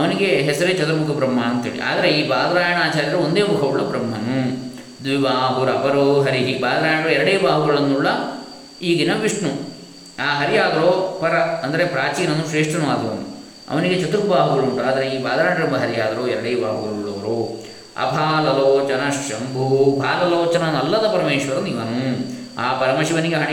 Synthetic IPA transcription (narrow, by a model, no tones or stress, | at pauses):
ɐʋɐniɡe̞ɦɛsɐɾet͡ʃɐt̪ɐɾɐmukʰɐpɾɐm̤ːaːnɐnt̪ɐɦḛːɭḭʔa̰ːd̪ɐɾeiːbaːd̪ɾaːjɐɳaːt͡ʃaːɾjɐɾɐuond̪eːmukʰɐuɭːɐpɾɐmːɐnu | d̪ʋibaːɦuɾɐpɐɾoːɦɐɾiɦibaːd̪ɐɾaːjɐɳɐɾoːɛɾɐɽeːbaːɦuɡɐɭɐnːuɭːɐ | iːɡinɐʋiʂɳu | aːɦɐɾijaːd̪ɐɾoːpɐɾɐɐnd̪ɐɾepɾaːt͡ʃiːnɐnuʃɾeːʂʈɐnʋaːd̪ɐnu | ɐ̰ʋɐniɡet͡ʃɐt̪uɾbaːɦuɡɐɭuɳʈuaːd̪ɐɾeiːbaːd̪ɐɾaːɳɖɐɾɐmd̪ɐɦɐɾijaːd̪ɐɾoːɛɾɐɽeːbaːɦuɡɐɭuɭːɐʋɐɾoː | ɐ̰bʱaːlɐlooːt͡ʃɐnɐʂɐmbʱubʱaːlɐloːt͡ʃɐnɐnɐlːɐd̪ɐpɐɾɐmeːʃʋɐɾɐniʋɐnu | aːpɐɾɐmɐʃiʋɐniɡeɦɐɳ